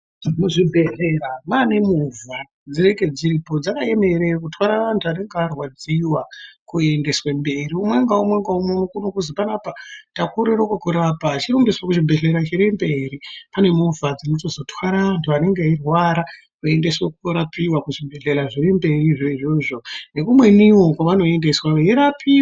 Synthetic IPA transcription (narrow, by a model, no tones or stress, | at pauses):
muʐibʱe̞ɮe̞ɾamanemuva | d͡ziɾeke̞d͡ziɾipo̞d͡zakae̞me̞ɾek̬utwaɾaʋantʰuane̞ŋɡearwad͡ziwakue̞nde̞swembe̞ɾiumwe̞ŋɡaumwe̞ŋɡaumwomukunokuzipanaːpatakoɾeɾokokuɾapaːt͡ʃirombeswakuʐibʱe̞ɮe̞ɾat͡ʃeɾembe̞ɾipane̞muvad͡zinoto̞zo̞tʰwaɾaʋantʰuane̞ŋɡeairwaɾa | kue̞ndeswakukoɾapiwakuʐibʱe̞ɮe̞ɾaʐiɾembe̞riʐoiʐo̞ːʐo̞ne̞kumwe̞niwo̞kwaʋano̞e̞ndeswajeɾapʰi